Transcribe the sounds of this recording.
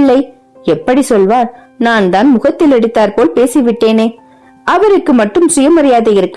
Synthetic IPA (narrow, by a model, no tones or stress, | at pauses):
lːɐɪ | ɛpːɐɽisɔlʋaːɾ | naːnt̪aːnmʊɣɐt̪ːɪlɛɽɯt̪ːaːɾpoːlpeːsiʋɪʈːeːneː | ʔɐʋɐɾɯkːɯmɐʈːɯmsɪjɐmɐɾɐjaːðɐɪɾɯkːɯ